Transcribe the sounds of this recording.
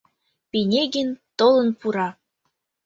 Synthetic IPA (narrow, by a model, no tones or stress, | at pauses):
pinʲeɡɘnt̪olə̆npuɾɑ